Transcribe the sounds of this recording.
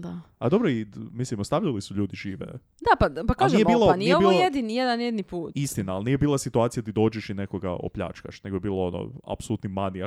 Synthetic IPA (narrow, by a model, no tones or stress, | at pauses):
d̪aad̪o̞bɾoimislimost̪aʋʎalisuʎuːd̪iʒiːʋḛ | d̪apapakaːʒeijebiːlˠoniɛeoiːolojed̪inijed̪anjed̪nipuːt̪ist̪inaːlˠniːjebiːlˠasit̪uaːt̪sijat̪id̪o̞ːd͡ʒeʃinekoɡa̰o̰pʎa̰ːt͡ʃka̰ʃne̞ɡoebiːloono̰a̰psout̪nimania